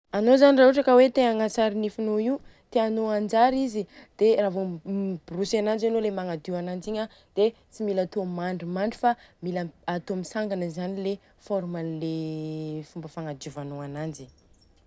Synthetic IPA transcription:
anozaniraɦuʈ͡ʂəkəwet̪eaŋat͡saɾinifinoiut̪eanoand͡ʒaɾizid̪̥eravombrusanand͡ʒanolemaŋad̪iwanand͡ziɲə | d̪̥e | t͡similat̪omaɳɖ͡ʐimaɳɖ͡ʐu̥familaat̪omisaŋɡanəzanile | foɾmanle | fumbəfaŋad̪uvanoanand͡ʒi̥

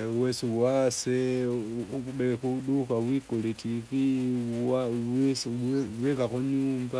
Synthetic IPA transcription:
wesuβwase | ɓekuɗukaβwikoletikiaesβwekakoɲuːmba

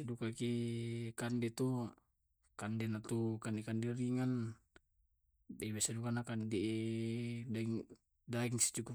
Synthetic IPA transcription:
edukakikandɛt̪u | kandɛnat̪ukandɛkandɛɾiŋan | ɛbesadukanakandɛ | daiŋ | daiŋsi̥t͡ʃuku

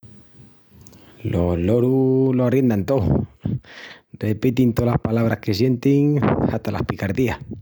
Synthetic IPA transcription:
lolo̞ɾuloarje̞nd̪ant̪o̞ | epit̪int̪olahpalaβ̞ɾahke̞sje̞nt̪iŋast̪alʔa̰hpikaɾðiah

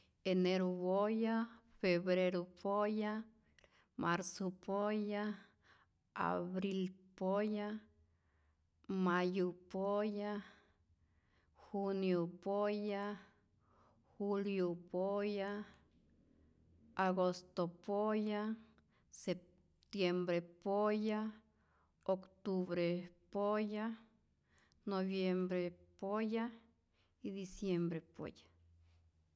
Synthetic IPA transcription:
eneɾobojafeβɾeɾopʰoja | maɾsopoja | a̰βɾilpoja | majopoja | xunjopoja | xuljopoja | aɡost̪opoja | se | t̪jembɾepoja | okt̪uβɾepoja | noβjembɾepoja | id̪isjembɾepo̰ja

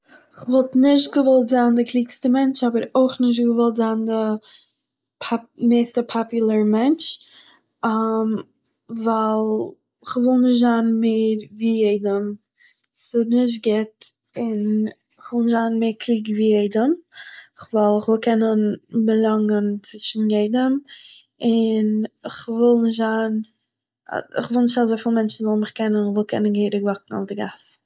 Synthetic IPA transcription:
ɪχvɔlˠtnɪʃ̬t̚ɡəvɔlˠtzaːndɪkʰliːkstəmɛnt͡ʃabəɾoɪχnɪʃ̬tɡəvɔlˠtzaːndə | pʰmeːstəpʰapjʊl̩ˠəɾmɛnt͡ʃ | am | valˠ | ɪχvɪlˠnɪʃtzaːnmeːɾviːjeɪdəm | sɪnɪʃ̬t̚ɡɪt | ɪn | ɪχvɪlˠnɪʃ̬zaːnmeːɾkliːɡviːjeɪdəmχvalˠɪχvɪlˠkʰɛnənbəlˠaŋənt͡sɪʃn̩jeɪdəm | ɪnɪχvɪlˠnɪʃ̬tzaːn̰ | ɪ̰χvɪlˠnɪʃtazoɪfiːlˠmɛnt͡ʃn̩zɔlˠnmɪχkɛnənɪχvɪlˠkʰɛnənɡeɪɾəɡvɔknŋ̩ɔ̰fdɪɡas

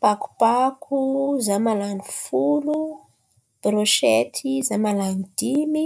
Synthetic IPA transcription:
paku̥pakʰuzamalanifulu | b̥ɾoʃet̪ʰizamalanid̥imi

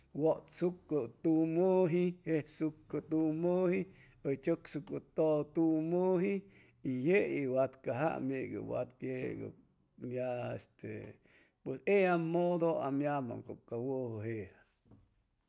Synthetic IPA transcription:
woʔt̪sukːɨt̪umoɦihesukːɨt̪umohi | ət͡ʃoksukɨt̪ot̪umoɦi | ijeiwat̪kaɦa̰meɡɨ̰wa̰t̪kjeɡa̰ | mjaḛst̪e | pweseamod̪oa̰mjama̰ŋkokawohɨɦeʔɾa

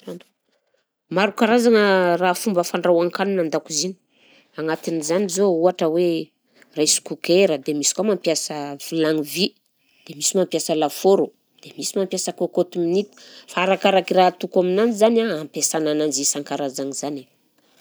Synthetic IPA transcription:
an | maɾukaɾazaŋərafumbəfaɳɖ͡ʐawaŋkaninand̪akuzini̥ | aŋat̪inizanizouaʈ͡ʂəwe | rajsu̥kukeɾəd̪emisi̥kwamampjasəv̥ilaŋivi | d̪̥emisimampjasəlafoɾo | d̪̥emisimampjasakokot̪iminit̪u̥faːɾakaɾakiraɦt̪ukaminand͡ʒizanaampesananand͡ʒisaŋkaɾazaŋizane

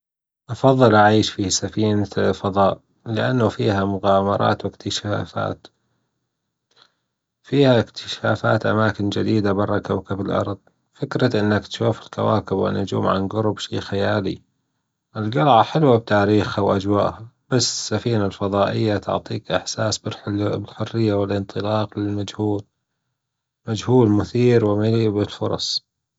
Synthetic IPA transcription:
ʔɑfɑðˤːɨlʔaʕiːʃfisafiːnafɑðˤɑːʔ | lɪʔanːʊfiːɦamʊɣaːmɑɾˤɑ̰ːt̪wɪkt̪ʰɪʃaːfa̰ːt̪ | fiːhaɪkt̪ʰɪ̥ʃaːfa̰ːt̪ʔa̰maːkɪnd͡ʒɪd̪iːd̪abɑrˤːɑkawkabɪlʔɑ̰ɾˤðˤ | fɪkɾaʔɪnːakt̪ʃuːfɪlkawa̰ːkɪbwɪ̰nːʊd͡ʒṵːmʕa̰nɡʊɾʊbʃḭːxajaːlḭ | ʔɪlɡɑlʕaħɪlwab̚t̪aːɾiːxhawʔad͡ʒwa̰ːʔhab̥asːɪ̥sːafiːnalfɑðˤɑːʔɪjːat̪ʊ̰ʕt̪ˤiːkʔɪħsaːsbɪlħbɪlħʊrːɪjːawɪlʔɪnt̪ˤɨlɑːqlɪlmad͡ʒhuːl | mad͡ʒhuːlmʊθiːɾwɪmɪlibɪlfʊɾˤɑ̰sˤ

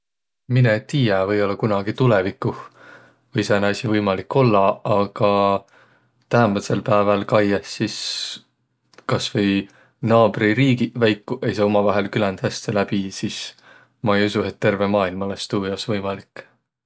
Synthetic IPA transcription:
minett̪ːiːjɛvɤjo̞lːɑkunɑɡ̥it̪ulevikːˑu | vɤjsɑnɑsʲivɤjmɑlikːˑo̞lːɑɑɡ̥ɑ | t̪æɦænmɑt̪selpæevelkɑjesːis | kɑsvɤj | nɑːb̥riɾiːɡivæjkːuʔe̞js̬ɑːo̞mɑvɑɦe̞lkylænd̪̥hæst̪elæb̥isis | mɑejusue̞t̪ːe̞rve̞mɑːilmɑlest̪uːɑsvɤjmɑlikːˑ

